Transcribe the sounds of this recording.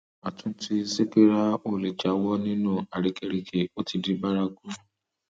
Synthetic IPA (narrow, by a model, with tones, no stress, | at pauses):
a˨tũ˨˦ti˦se˦ke˦ɾa˦o˦˨le˨d͡ʒa˨˦wɔ˦nĩ˦nũ˦˨a˨ɾi˨˦kɛ˦ɾi˨kʰe˨o˦ti˧di˦ba˦ɾa˦ɡu˦